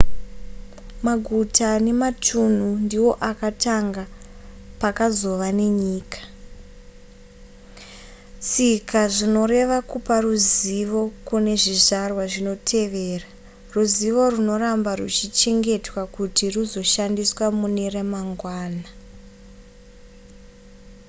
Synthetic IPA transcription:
maɡʱutʰane̞matʰun̤undiwo̞ʔakataŋɡapakazo̞ʋane̞ɲiːkḁ | sikʰaʐino̞re̞ʋakuparuziʋo̞kune̞ʐiʐarwaʐino̞tʰe̞ʋe̞ːra | ruziʋo̞runo̞rambarṵt͡ʃit͡ʃe̞ŋɡe̞twakutiruzo̞ʃandiswamune̞remaŋɡwaːna

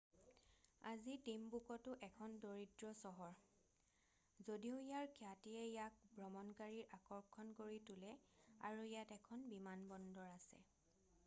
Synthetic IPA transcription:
azitimbukɔtʊʔɛkʰɔndoɹidɹɔsɔɦɔɹ | zodiʊijaɹkʰjatiɛijak̚bɹɔmɔnkaɹiɹʔakɔɹkʰɔnkoɹitʊlɛa̰ɹuijatɛkʰɔnbimanbɔndɔɹasɛ̰

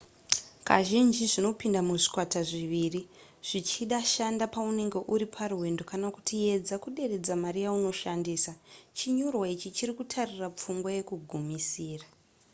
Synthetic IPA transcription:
ka̰ʒind͡ʒiʐino̞pindamuʐi̥kwataʐiʋiːri | ʐ̥it͡ʃiɗaʃandapaune̞ŋɡe̞ʔuɾipʰaruɦe̞ndo̞kanaku̥tie̞d͡zakuɗe̞re̞d͡zamaɾijauno̞ʃandiːsat͡ʃiɲo̞rwait͡ʃit͡ʃirikutʰarirap͡fuŋɡwaje̞kuɡʱumisiːra

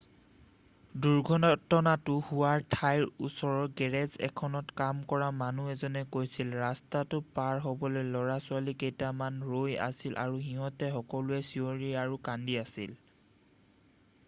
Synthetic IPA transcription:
duɹɡʱɔnɔtːɔnatʊhuwaɹtʰajɹusɔɹɔɹɡɛɹɛzɛ̰kʰɔnɔtkamkɔɹamanuɛzɔnɛkojsilɹastatʊpaɹɦɔbɔlojlɔɹasʊalikejtamanɹoja̰silʔa̰ɹuɦiɦɔtɛxɔkɔlʊɛsioɹiɹaɹukandiasil

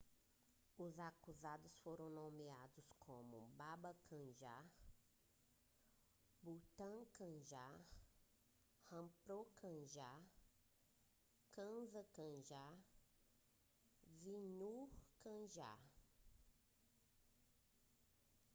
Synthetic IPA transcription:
ʊzakuzad̪ʊsfoɾɐ̃w̃nõmiad̪ʊskʰõmʊ̰babɐkʰɐ̃ʒa | but̪ɐ̃kɐ̃ʒa | hɐ̃pɾokɐ̃ʒa | kɐ̃zɐkɐ̃ʒa | vinukɐ̃ʒa̰

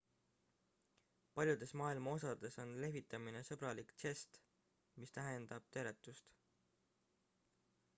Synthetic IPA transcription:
pɑlʲjud̪̥e̞smɑːilmɑo̞sɑd̪̥e̞so̞nle̞ɦvit̪ːˑɑmine̞sɤb̥ɾɑlikt̪se̞st̪ | mist̪æɦe̞nd̪ɑb̥̚t̪e̞ːɾe̞t̪ːˑust̪

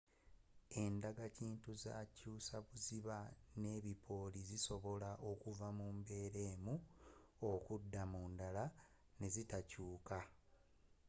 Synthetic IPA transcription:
e̞ndaɡaciːntuza̰ːcuːsaβuziβane̞ːβipʰo̞ːliziso̞βo̞laʔo̞kuvamuːmbe̞ːɾe̞ːmu | okudːamuːndala | ne̞zitacuːka

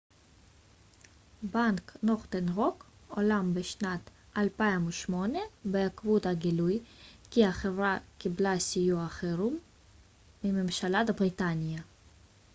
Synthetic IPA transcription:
banknoχt̪enʁokolambeʃnat̪ | alpaimuʃmo̞nebeakvut̪aɡilujkiaχevɾakiblasijuaχeɾumː | imemʃalat̪abʁit̪anʲija

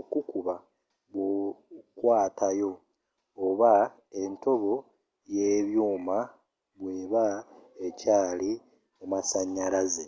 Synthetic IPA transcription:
okukuβa | βokwaːtajo̞ | oβa | e̞nto̞βo̞ | jeːβjuːma | βwe̞ːβa | ecaːli | mumasaɲːaɾaze

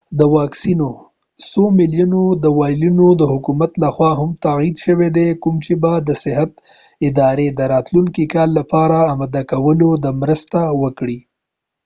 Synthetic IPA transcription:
d̪əwɑksino | somɪlijunod̪əwɑjlinod̪əhʊkumat̪laxwɑɦamt̪aɣid̪ʃəwed̪ekʊmt͡ʃebad̪əsɪɦat̪ | ɪd̪ɑɾed̪əɾɑt̪luŋkikɑlːapɑɾaːmad̪akawəlod̪əmɾəst̪awəkɽi

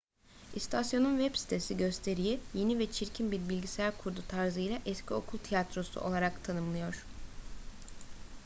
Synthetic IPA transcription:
ist̪ʰasjo̞nunvɛpsi̥t̪ʰe̞siɟø̞st̪ʰe̞ɾijije̞nivɛt͡ʃʰiɾcʰinbiɾbilʲɟisæɾkʰuɾd̪ut̪ʰaɾzɯjlʲaʔɛscʰio̞kʰulˠt̪ʰijat̪ɾo̞sṵʔo̞lˠaɾakt̪ʰanɯmlˠɯjo̞ɾ̥

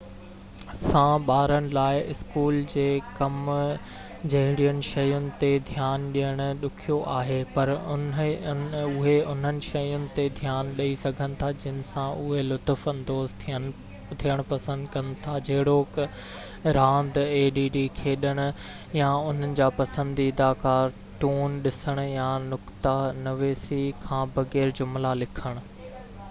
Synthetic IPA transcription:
sãɓaːɾənɪ̆laːɪʔɪskuːld͡ʑeːkɐm | d͡ʑɐɦɪɽijʊnɪ̆ʃɐjʊnɪ̆t̪ed̪ʱijaːnɗijəɽ̃ʊ̆ɗʊkʰijoʔaːɦeːpɐɾʊ | ʊɦeʊn̤ənɪ̆ʃɐjʊnɪ̆t̪ed̪ʱjaːnɗɐisɐɡʱənɪ̆t̪ʰad͡ʑɪnɪ̆sãʔʊɦelʊt̪ʊfɐ̃nd̪oːzt̪ʰə | t̪ʰiəɽ̃ʊpɐsə̃nd̪kɐnɪ̆t̪ʰad͡ʑɐɦɪɽoːk | ɾãːnd̪eːɖiːɖikʰeːɗəɽ̃ʊ̆ | jaʊn̤ənɪ̆d͡ʑaːpɐsə̃nd̪id̪aːkaːɾ | ʈuːnɗɪsəɽ̃ʊjãːnʊkt̪anɐʋeːsikʰãːbɐɣɛːɾd͡ʑʊmlalɪkʰəɽ̃ʊ̆

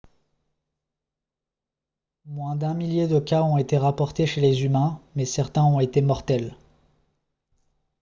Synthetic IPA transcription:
mwɛ̃d̪ɛ̃miljed̪əkaɔ̃et̪eʁapɔʁt̪eʃelezymɛ̃mɛsɛʁt̪ɛ̃ɔ̃et̪emɔʁt̪ɛl

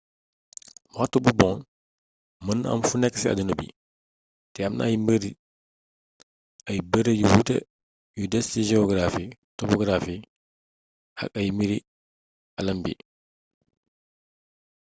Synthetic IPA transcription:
watːububɔn | mənːɐ̰mfunɛkːsiɐ̰dunɐbḭ | tɛɐmna̰ɐjmbəɾi | ɐjbəɾejuwutɛ̰ | judɛstid͡ʒɛɔɡɾafitɔpɔɡɾafi | hɐ̰kɐjmiɾi | ɐlɐmbḭ

